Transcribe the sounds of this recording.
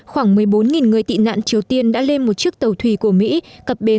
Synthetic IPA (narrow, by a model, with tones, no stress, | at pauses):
xwaː˧˩ŋmɨ˨˩əjɓo˨˦nŋi˨˩nŋɨ˨˩əjt̪ḭ˧˨na̰ː˧˨nt͡ɕi˨˩əwt̪i˧ənɗa̰ː˧˥le˧nmo˨˩t̚t͡ɕɨ˦˥ək̚t̪ə˨˩wt̪ʰwi˧˩ku˧˩əmḭ˧˥kə˨˩p̚ɓe˨˦